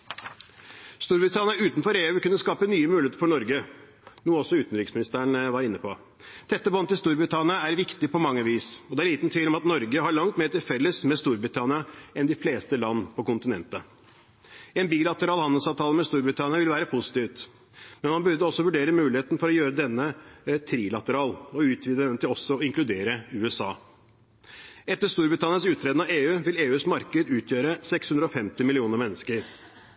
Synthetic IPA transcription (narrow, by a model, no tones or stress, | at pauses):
st̪uːɾbɾɪt̪ʰɑnɪɑʉːt̪nfɔɾeːʉːkʉnːəskɑːpənyːəmʉlɪeːt̪əɾfɔɳɔɾɡə | nuːɔsːɔʉːt̪n̩ɾɪksmɪnɪst̪əəɳʋɑɾɪnːəpʰɔ | d̪̥ɛt̪ːəbɔnt̪ɪlst̪uːɾbɾɪt̪ʰɑnɪɑæɾʋɪkt̪ɪpɔmɑŋːəʋiːsɔd̪ɛæɭiːt̪n̩t̪ʰʋiːlɔmɑt̪nɔɾɡəɦɑɭɑŋt̪meːɾʈɪlfɛlːəsmɛst̪uːɾbɾɪt̪ʰɑnɪɑɛnd̪ɪfleːst̪əlɑnːəpʰɔkʊnt̪ɪnɛ̰nt̪ə | ɛnbiːlɑt̪əɾɑːlhɑnəlsɑːʋt̪ʰɑːləmɛst̪uːɾbɾɪt̪ʰɑnɪɑʋɪlʋæːɾəpʰʊsɪ̥t̪iːʋt̪ | mɛnmɑnbʉɾd̪əɔsːɔʋʉɖeːɾəmʉːlɪeːt̪n̩fɔɾɔjøːɾəd̪ɛnːət̪ʰɾiːlɑt̪əɾɑːlɔʉːt̪ʰʋiːd̪əd̪ɛnt̪ɪlɔsːɔɔɪŋklʉd̪eːɾəʉːɛsɑ̰ː | ɛt̪ːəʂt̪uːɾbɾɪt̪ɑnɪɑnsʉːt̪ʰɾeːd̪nɑʋeːʉːʋɪleːʉːsmɑɾkəd̪ʉːt̪ʰjøːɾəsɛkshʉnd̪ɾɔfɛmt̪ɪmɪlɪuːnəɾmɛnːəskəɾ